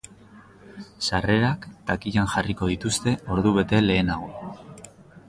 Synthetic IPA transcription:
sare̞ɾakt̪akiʎanʝariko̞ð̞it̪ust̪e̞o̞ɾðuβe̞t̪e̞le̞ːnaɣo

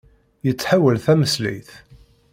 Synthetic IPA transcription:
jət͡sːħawəlθæməslḭjθ

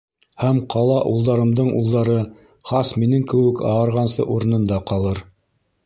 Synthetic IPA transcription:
hæmqɑlˠɑʔulˠd̪ɑɾɤ̆md̪ɤɴʔṵlˠd̪ɑɾɤ | χɑsminɘŋkɘ̆wɘkɑ̰ɑɾʁɑnsɤ̰ʔuɾɤ̆nɤ̆nd̪ɑqɑlˠɤɾ

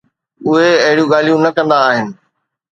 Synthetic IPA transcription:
ʊɦeɐɦɪɽijũɠaːl̤ijũnɐkɐ̃nd̪aːɦɪnɪ̆

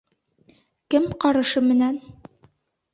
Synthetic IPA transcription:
kɘmqɑɾɤ̆ʃɤmɘ̆næn

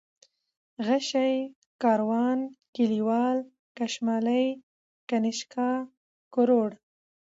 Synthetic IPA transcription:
ɣaʃaj | kɑɾwɑːnkiliwɑl | kaʃmɑləj | kanɪʃkɑ | kʊɾoɽ

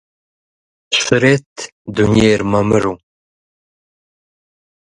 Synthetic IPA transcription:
ʃɨɾet̪ | d̪unjeːɾmɐmɨɾu

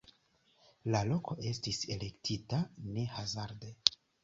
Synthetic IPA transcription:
lalo̞kʰo̞ʔe̞stise̞le̞ktʰitane̞hazaɾde̞

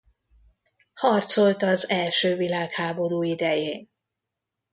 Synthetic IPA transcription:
hɒrt̪so̞lt̪ɒzɛlʃøːvilaːkhaːbo̞ɾuːid̪ɛjeːn

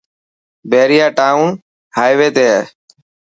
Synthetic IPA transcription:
bʱeːɾɪjaːʈaːũːn | haːjʋeːt̪eː

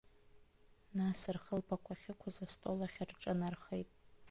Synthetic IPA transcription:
nasɨrχəlpakʷʰaχʲɪkʷʰazastʼolaχʲarʈ͡ʂʼɨnarχejtʼ

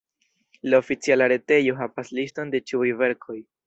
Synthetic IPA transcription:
laofit͡sialaɾe̞te̞jo̞ɦavaslisto̞nde̞t͡ʃiujve̞ɾkʰo̞j

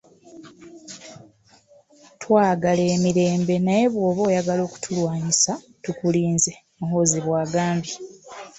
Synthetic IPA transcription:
twaːɡale̞ːmiɾe̞ːmbe̞naje̞βwo̞ːβo̞ːjaɡalo̞ːku̥tʰulwaːɲisa | tukuliːnze | muɦo̞ziβwaːɡaːmbi

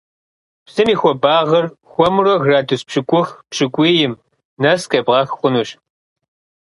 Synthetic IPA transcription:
psɨmiːxʷɔbaːʁɐrxʷɔmrɔɣraːdʰɨspɕɨkʷʼʊxpɕɨkʷʼiːjɪm | nɐskʼɐbʁɑːxxʷʊnuːɕ

